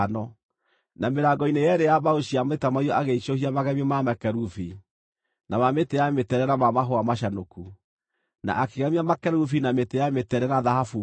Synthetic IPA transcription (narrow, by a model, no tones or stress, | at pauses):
nɔ | nameɾaɡɔinejɛɾejabaoɕiametamaiɔʔaɣeiʃohiamaɣɛmiemamɛkɛɾufi | namametejametɛɾɛɾamamaɦoamaʃanoku | na̰ʔakeɣamiamakɛɾufinametejametɛɾɛnaðahafu